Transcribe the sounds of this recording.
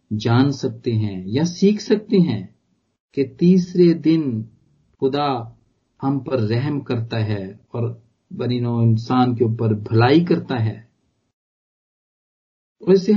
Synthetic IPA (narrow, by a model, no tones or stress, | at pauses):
d͡ʒaːnsɐk̚t̪eɦɛ̃jasiːkʰsɐk̚t̪eɦɛ̃ː | ket̪iːsɾed̪ɪn | xʊd̪a | hɐmpɐɾːɛɦmkɐɾt̪aɦɛːɔːɾ | bɐninoɪnsaːnkeuːpəɾbʱɐlaːikɐɾt̪aɦɛː | ɔse